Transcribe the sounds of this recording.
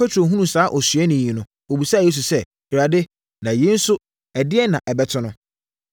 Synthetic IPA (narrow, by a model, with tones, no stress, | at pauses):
pɛ˦tʰo˨ɦũ˦nũ˨saː˨˦ʔɔ˨sɥɛ˦nɪ̃˨ĩ˨nʊ̃˦ | o˨bi˨sa˦˨e˦s̬u˨sɛ˦˨ | ɪ˨ɾa˨dɪ˦ | nã˨je˦n̩˦sʊ˦ | ɛ˨dɪ˦ɛ˦nã˨ʔɛ˨bɛ˦tʰʊ̃˦nʊ̃˦